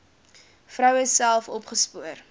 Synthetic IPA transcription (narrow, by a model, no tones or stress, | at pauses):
frœwəssælˠfɔpχəspuər